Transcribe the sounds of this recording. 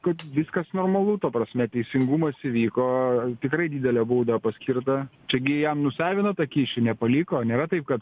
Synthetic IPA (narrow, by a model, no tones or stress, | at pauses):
kɐt̪ʋʲɪskɐsnoːrmɐlˠuːt̪ɐpɾɐsʲmʲɛt̪ʲɛɪsʲɪŋɡumɐsɪʋʲiːkoːt̪ʲɪkɾɐɪd̪ʲiːd̪ʲɛlʲɛbuːd̪ɐpɐsʲkʲirt̪ɐt͡ʃʲɛɡʲɪjɛmnʊsʲɑːʋʲɪnɐt̪ɐkʲiːʃʲɪnʲɛpɐlʲikoːnʲeːɾɐt̪ɐɪp̚kɐt̪